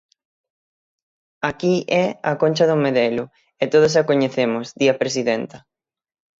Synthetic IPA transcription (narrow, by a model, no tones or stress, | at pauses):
akiʔɛakonʲt͡ʃɐðomeðɛlʊ | et̪oð̞ʊs̬akoɲeθemʊsðiɐpɾesiðent̪ɐ